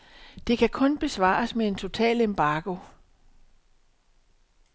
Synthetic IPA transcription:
d̥e̝kʰækʰɔ̽nb̥e̝sʋɑ̰̈ːɐsmee̝nt͡sʰo̝t͡sʰɛ̰ːlemb̥ɑ̈ːɡ̥o̝

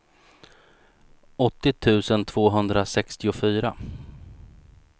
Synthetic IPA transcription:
ɔt̪ːɪt̪ʰʉ̟ːsənt̪ʰv̥oːɦɵnd̪ɾasɛkst̪ɪʊfyːɾa

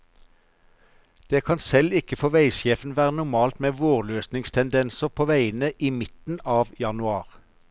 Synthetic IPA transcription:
d̪̥eːkʰɑnsɛlɪkəfɔʋæɪsjeːfn̩ʋæːʁənʊʁmɑːlt̪meːʋoːʁløːsnɪŋst̪ʰɛnd̪ɛnsəʁpʰoːʋæɪənəʔiːmɪt̪n̩ɑːʋjɑnʉɑːʁ

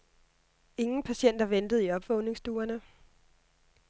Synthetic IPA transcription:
e̝ŋn̩pʰæɕen̰d̥ɐʋend̥ð̞̩ˠiɒ̽b̥ʋɔ̽ʊne̝ŋsd̥uːɐnə

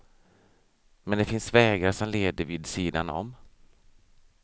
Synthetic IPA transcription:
mɛnd̪ɛfɪnsvɛːɡaɾʂɔmleːd̪əɾvɪd̪siːd̪a̰nɔ̰m

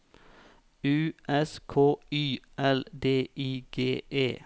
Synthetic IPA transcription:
ʉːʔɛskʰoːyːʔɛld̪eːʔiːɡ̥eːʔeː

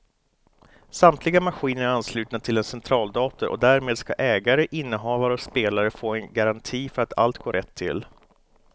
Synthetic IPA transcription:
samt̪ʰlɪɡamaɧiːnəɾɾanslʉ̟t̪nat̪ʰɪlɛnsɛnt̪ʰɾɑːld̪ɑːt̪əɾʔɔ̰d̪æɾmeːd̪ska̰ʔɛːɡaɾəʔɪnːəɦɑːvaɾəɔspeːlaɾəfoːɛnɡaɾant̪ʰiːfœɾat̪ʰa̰lt̪ɡoːɾɛt̪ʰːɪ̰l

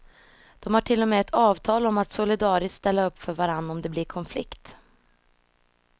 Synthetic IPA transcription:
d̪̥ɔmhaʈʰɪlːɔmɛːɛt̪ʰɑːvt̪ʰɑːlɔmat̪sʊlɪd̪ɑːɾɪsst̪ɛlːaɵpːfœɾvaɾanːaɔmd̪ɛblɪɾkʰɔnflɪ̰kt̪

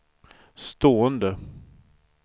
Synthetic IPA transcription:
st̪oːənd̪ə

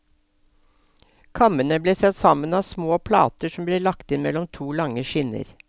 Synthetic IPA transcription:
kʰɑmənəbleːsɛt̪sɑmənɑːsmoːpʰlɑ̰ːt̪əʂɔmbleːlɑkt̪ɪnmɛlɔmt̪ʰuːlɑŋəʃɪnə̰ɾ

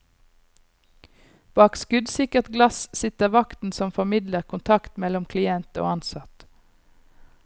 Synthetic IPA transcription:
b̥ɑːkskʉd̪sɪkəʁt̪ɡlɑssɪt̪əʁʋɑkt̪n̩sɔmfɔmɪd̪ləʁkʰʊnt̪ʰɑkt̪mɛlɔmkʰlɪɛnt̪o̰ːɑnsɑt̪

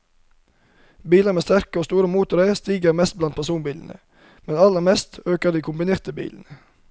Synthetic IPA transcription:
biːləmeːst̪æɾkəoːst̪uːɾəmuːt̪ʊɾəst̪iːɡəɾmɛst̪̚blɑnt̪̚pʰæsuːnbiːln̩ʔə̰ | mɛnɑləmɛst̪øːkəd̪iːkʰʊmbɪneːʁt̪əbḭːln̩ə

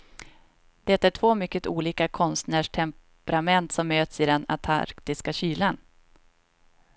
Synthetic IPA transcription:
d̪̥ɛɛt̪ːæʈʰvoːmʏkːət̪uːliːkakʰɔnst̪næːʂʈʰɛmpɛɾamɛnt̪sɔmːøːt̪sɪd̪ɛna̰t̪ʰa̰ɾkt̪ɪskaɕyːlan

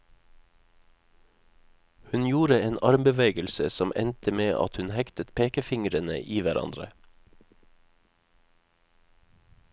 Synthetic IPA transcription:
hʉnjuːɾəeːnɑɾmbəʋeːɡəlsəsɔmʔɛ̰nt̪əmeːʔɑ̰t̪hʉnhɛkt̪ət̪pʰeːkəfɪŋɾənə̰ʔiːʋæɾʔɑ̰nd̪ɾə̰

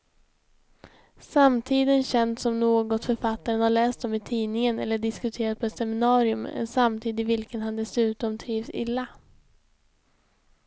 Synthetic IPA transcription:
samt̪ʰiːd̪ənɕɛnd̪sɔmnoːɡɔt̪fœɾfat̪ːaɾənhaɭɛːst̪ɔmɪt̪ʰiːnɪŋənɛ̰lːəɖɪskɵt̪ʰeːɾat̪̚pʰɔɛt̪sɛmɪnɑːɾɪɵmɛ̰nsamt̪ʰiːd̪ɪvɪlkənhand̪ɛsʉ̟ːt̪ɔmt̪ʰɾiːvsɪ̰lːa

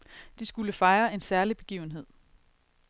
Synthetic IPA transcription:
d̥isɡ̥uləfɑ̈ɪɐe̝nsæɐlib̥e̝ɡ̥ḭːʊn̩ɦe̝ð̰ˠ

